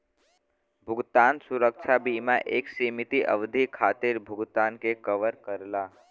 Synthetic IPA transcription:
bʱʊɡt̪aːnsʊɾəkʃʰabiːmãʔeːksiːmɪt̪iʔə̰ʋd̪ʱikʰaːt̪ɪɾbʱʊɡt̪aːnkekəʋəɾkəɾlaː

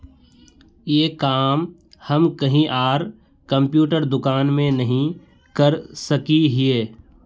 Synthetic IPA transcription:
jeːkaːm | hɐmkɐɦĩʔaːɾ | kɐ̃mpjuːʈəɾd̪ʊkaːnmẽnɐɦĩ | kɐɾsɐkiɦieː

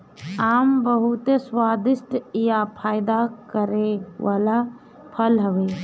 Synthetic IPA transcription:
aːmbəɦut̪eswaːd̪ɪsʈijapʰaːjd̪akəɾeʋaːla | pʰəlɦəʋe

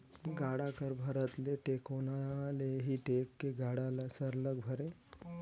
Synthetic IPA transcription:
ɡaɽakəɾbʱəɾət̪leʈekonaleɦiːʈekːeɡaɽalasəɾləɡ̚bʱəɾe

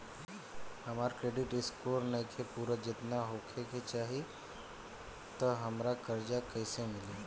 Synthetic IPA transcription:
ɦəmaːɾkɾeːɖɪʈɪskoːɾnəkʰepuːɾəd͡ʒɪt̪naɦokʰeket͡ʃaːɦi | t̪əɦəmɾakəɾd͡ʒakəsemɪli

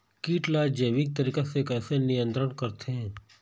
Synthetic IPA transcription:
kiːʈlaːd͡ʒəjʋɪk̚t̪əɾiːkasekɛːsenijə̃nt̪ɾəɽkɐɾt̪ʰeɦɛ̃ː

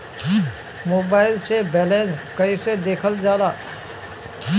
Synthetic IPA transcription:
moːbaːɪlsebɛːlẽːnskəised̪eːkʰəld͡ʒjaːd̪aː

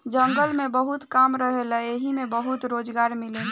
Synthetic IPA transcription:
d͡ʒə̃ŋɡəlmẽbəɦut̪kaːmɾəɦeləeɦimẽbəɦut̪ɾoːd͡ʒɡaːɾmɪle

